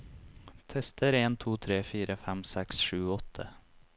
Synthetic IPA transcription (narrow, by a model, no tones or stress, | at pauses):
t̪ʰɛst̪ʰəɾeːnt̪ʰuːt̪ʰɾeːfiːɾʔəfɛmsɛksʃʉːɔt̪ʰə̰